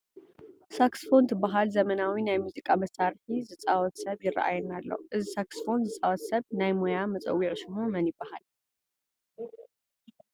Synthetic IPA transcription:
saksfo̞nt̪ʰɨbːaɦalzɐmɐnawinajmuzikʼamɐsaɾħizɨt͡sʼawɔt̪sɐβjɪrːa̰ʔa̰jɛnalːo̞̰ʔɨzisaksfo̞nzɨt͡sʼawɔt̪sɐβnajmojamɐt͡sʼɐ̰wːiʕʃɪɦumɐnjɪbːaha̰l

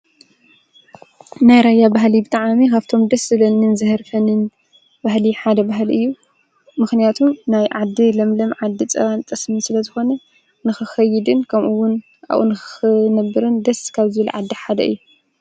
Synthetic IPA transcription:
najɾajːabaɦlibɨt̪ʼaʕamikʰaβt̪ʰo̞md̪ɐsɨlɐnːɨnzɨhɨɾfɐnɨn | bahliħad̪ɐbaɦɨlʔɨjːu | mɨxnijat̪ʰumnajʕad̪ːilɐmlɐmʕad̪ːit͡sʼɐ̰βant̪ʼɨsmisɨlɐzɨxo̞nɐ | nɨxɨxɐjːɪd̪ɨnkʰɐmʔuwːʊn | a̰ʔʔṵnɨɨnɐbːɨɾɨnd̪ɐskʰaβzɨβɐlʕad̪ːiħad̪ɐ̰ɨjːu

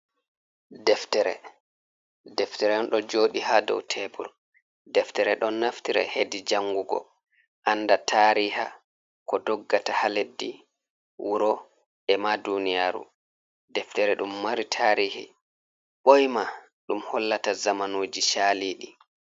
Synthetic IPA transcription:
dɛftɛɾɛ̰ | dɛftɛɾɛnɗɔd͡ʒoɗihadɔ̰wtʰɛbṵɾ | dɛftɛɾɛɗɔnːaftiɾɛ̰hedid͡ʒaŋɡuɡɔ̰ | ʔanːdatʰaːɾiha̰ | kɔdɔɡːatahaledːi | wʔuɾɔ | ɛmadunijaːɾṵ | dɛftɛɾɛɗumːaɾitʰaːɾihḭ | ɓɔjma | ɗumhɔlːatazamanoːd͡ʒiʃaliːɗi

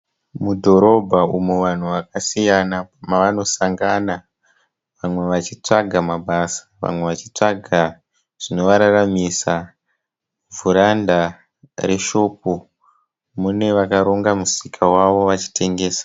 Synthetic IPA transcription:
mudʱo̞ɾo̞bʱaumuʋan̤uʋakasijanapamaʋano̞saŋɡana | ʋamwe̞ʋat͡ʃit͡ʂaɡʱamaɓasḁʋa̰mwe̞ʋat͡ʃit͡ʂaɡʱa | ʐ̥ino̞ʋaɾaramisa | vuɾanda | re̞ʃo̞ːp̚u | mune̞ʋakaɾo̞ŋɡamusikʰawaʋo̞ʋat͡ʃi̥tʰe̞ŋɡe̞ːsḁ

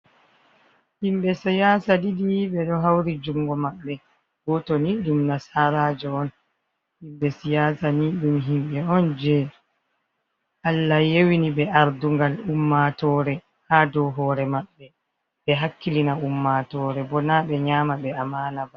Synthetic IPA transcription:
himɓɛsijaːsadidijɓɛɗɔɦawɾid͡ʒuŋɡɔmaɓːɛ | ɡɔtɔniɗumnasaɾaːd͡ʒɔɔn | himɓɛsijaːsaniɗumɦimɓɛɔnd͡ʒɛ | ʔalːajewiniɓɛʔaɾduŋɡalumːatɔːɾɛ | haːdɔɦɔːɾɛmaɓːɛ | ɓɛɦakːilinaumːatɔːɾɛbɔnaɓɛɲaːmaɓɛamaːnaba

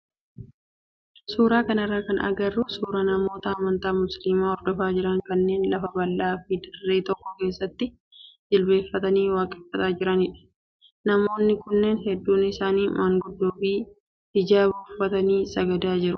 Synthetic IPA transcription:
suːɾaːkɐnɐrːakɐnɐ̰ɡɐrːuːsuːɾɐnɐmo̞ːt̪ɐːmɐnt̪aːmʊslimaːɔɾd̪ɔfaːd͡ʒɪɾɐŋkɐnːe̞ːnlɐfɐbɐlːaːfiːd̪ɐrːeːt̪ɔkːɔke̞ːsːɐt̪ːɪ | d͡ʒɪlbe̞ːfːɐt̪ɐniːwaːkʼɛ̥fːɐt̪aːd͡ʒɪɾɐnɪᶑɐ̥ | nɐmo̞ːnːɪkʊnːeːnɦɛd̪ːuːnɪsaːniːmʔaːŋɡʊd̪ːoːbi̥ː | ɪd͡ʒaːbɐfːɐt̪ɐniːsɐɡɐd̪aːd͡ʒɪɾʊ

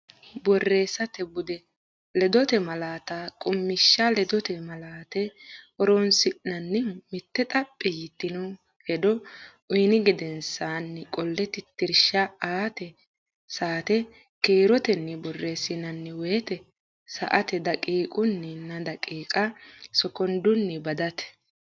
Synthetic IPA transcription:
bɔrːeːsɐt̪ɛbʊd̪ɛ | lɛd̪ɔt̪ɛmɐlaːt̪akʼʊmːɪʃːɐlɛd̪ɔt̪ɛmɐlaːt̪ɛɔɾɔnsɪʔnɐnːɛmɪt̪ːɛt̪ʼɐpʼːɪjɪt̪ːɪnʊ | hɛd̪ɔ | ʊjnɪɡɪd̪ɛnsanːɪkʼɔlːɛt̪ɪt̪ːɪɾʃɐaːt̪ɛ | saːt̪ɛ | keːɾɔt̪ɛnːɛbɔrːesɪnɐnːɛwɛjt̪ɛ | sɐ̰ʔɐt̪ɛd̪ɐkʼiːkʼʊnːɪnːɐd̪ɐkʼiːkʼɐsɔkɔnd̪ʊnːɪbɐd̪ɐt̪ɛ̥

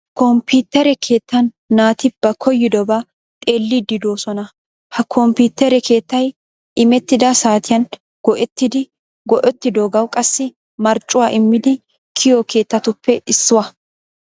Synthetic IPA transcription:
kɔmpuːt̪ːɛɾɛkʰe̞ːt̪ːɐnː | aːt̪ɪb̥ɐkʰɔjːɪd̪ɔba | t̪ʼe̞ːlːiːd̪ɪd̪o̞ːsɔnɐ | hɐkʰɔmpiːt̪ːɛɾɛkʰe̞ːt̪ːɐj | ʔɪmɛt̪ːɪd̪ɐsaːt̪ɪjɐn | ɡ̥ɔʔɛt̪ːɪd̪ɪ | ɡɔʔɛt̪ːɪd̪oːɡɐwkʼɐsːɪ | mɐɾt͡ʃʼːʊwaːʔɪmːɪd̪ɪ | kʰɪjɔkʰe̞ːt̪ːɐt̪ʊpːɛʔɪsːʊwɐ

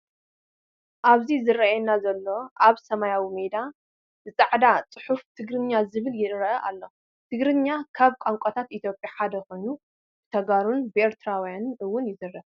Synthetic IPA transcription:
ʔaβzizɨrːɐɛnːazɐlːo̞ʔaβsɐmajawimed̪a | bɨt͡sʼaʕd̪at͡sʼɨħuft̪ʰɨɡɾɨɲːazɨβɨljɪɾɐʔɐʔalːo̞ | t̪ʰɨɡɾɨnːakʰaβkʷʼamkʷʼɐt̪ʰat̪it̪ʰjo̞pʼjaħad̪ɐxo̞jnu | b̥ɨt̪ʰɐɡaɾunbɨeɾt̪ʰɨɾawjanɨnʔɨwːʊnjɪzɨrːɐβ

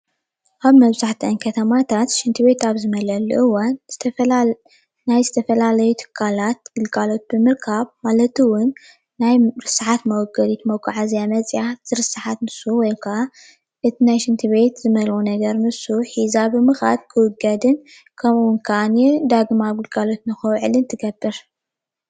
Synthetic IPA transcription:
ʔaβmɐβzaħt̪ʰɐnkʰɐt̪ʰɐmat̪ʰat̪ʃɨnt̪ʰɨβe̞t̪aβzɨmɐlɐluʔɨwanz̥ɨt̪ʰɐ | najzɨt̪ʰɐfɐlalɐjut̪ʰɨ̥kʰːalat̪̚ɡ̥ɨlkʼalo̞t̪̚bɨmɨɾkʰaβmalɐt̪ɨwʊnː | ajɾɨsaħat̪mɐwɔɡɐd̪it̪mɐwkʰʼːuʕazjamɐt͡sʼjaz̥ɨɾɨsɨħat̪nɨsuwɔjkʰɐa | ʔɨt̪ʰinajʃɨnt̪ʰɨβe̞t̪zɨmɐlxunɐɡɐɾnɨsuħizabɨmɨxa̰d̪̚kʰɨwɨɡɐd̪ɨn | kʰɐmuwʊnkʰɐʔanjed̪aɡmaɡɨlɡʼalo̞t̪nɨxɐwʕɨlɨnt̪ʰɨɡɐbːɨɾ

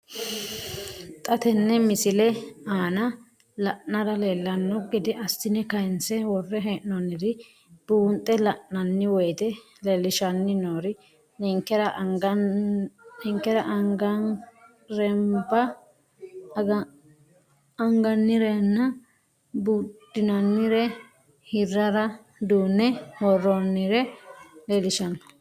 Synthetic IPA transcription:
t̪ʼɐt̪ɛnːɛmɪsɪlɛaːnɐ | lɐʔnɐɾɐleːlːɐnːɔɡɛd̪ɪʔɐstɪnɛkɐɪnsɛwɔrːɛɦɛːʔnɔnːɪd̪ɪ | b̥uːnt̪ʼːɛlɐʔnɐnːɪwɔjt̪ɛ | lelːɪʃɐnːɪnoːɾɪ | nɛŋkːɛɾɐɡɐ | ɛŋkːɛɾɐʔŋɡɐn | ɾɛmbɐ | ɐŋɡɐnːɪɾɛnːɐ | bud̪ɪnɐnːɪɾɛ | hɪrːɐɾɐ | d̪uːnːɛwɔrːonːɪɾɛlɛlɪʃɐnːɔ̥

